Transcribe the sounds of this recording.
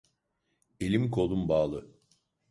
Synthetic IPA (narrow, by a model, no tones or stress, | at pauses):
elʲimkʰo̞lˠumbaːlˠɯ